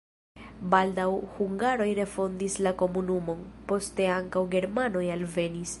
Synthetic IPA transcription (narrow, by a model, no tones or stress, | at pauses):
baldawhuŋɡaɾo̞jɾe̞fo̞ndislako̞munumo̞npo̞ste̞aŋkawɡe̞ɾmano̞jalve̞nis